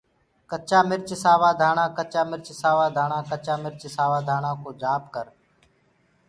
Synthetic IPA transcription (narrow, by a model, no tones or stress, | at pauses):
kət͡ʃaːmɪɾt͡ʃɪsaːʋaːd̪ʱaːɳ̃ãːkət͡ʃaːmɪɾt͡ʃɪsaːʋaːd̪ʱaːɳãːkət͡ʃaːmɪɾt͡ʃsaːʋaːd̪ʱaːɳãːkoːd͡ʒaːp̚kəɾ